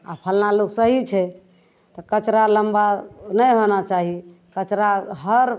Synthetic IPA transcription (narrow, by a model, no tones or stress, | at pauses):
apʰəlnaloksəɦit͡ʃʰɛ | t̪ɔkət͡ʃɾaləmbanəjɦonat͡ʃaɦi | kət͡ʃɾaɦəɾ